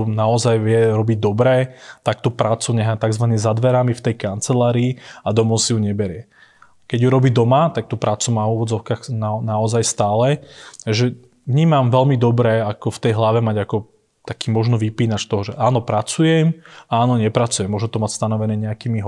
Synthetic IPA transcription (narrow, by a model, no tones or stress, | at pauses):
naɔzajʋjɛɾɔbiɟd̪ɔbɾɛːt̪akt̪upɾaːt͡suɲɛɦat̪aɡzʋanizad̪ʋɛɾamift̪ɛjkant͡sɛlaːɾiːad̪ɔmɔʊsijuɲɛbɛɾɪɛ | kɛɟjuɾɔbiːd̪ɔmat̪ak̚t̪upɾaːt͡sumaːvuːʋɔd͡zɔʊkaːxnanaɔzajst̪aːlɛaʒɛ | vɲiːmamʋɛlmid̪ɔbɾɛːakɔft̪ɛjɦlaʋɛmaɟakɔ | t̪akiːmɔʒnɔʋipiːnat͡ʃt̪ɔɦɔʒɛʔaːnɔpɾat͡sujɛmaaːnɔɲɛpɾat͡sujɛmːʊɔʒɛt̪ɔmacst̪anɔʋɛnɛːɲɛakiːmiɦɔ